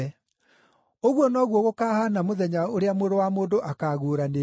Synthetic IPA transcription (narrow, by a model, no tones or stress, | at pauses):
oɣwɔnɔɣwɔɣokaːhanamoðɛɲaoɾeamoɾowamoːndoʔakaɣuːɾane